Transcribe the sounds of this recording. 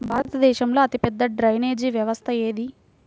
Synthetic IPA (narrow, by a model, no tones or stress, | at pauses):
bʱaːɾɐt̪ɐd̪ɛːʃɐmlo̞ːɐt̪ipɛd̪ːɐɖɾɐjneːd͡ʒiʋjɐʋɐst̪ʰɐeːd̪i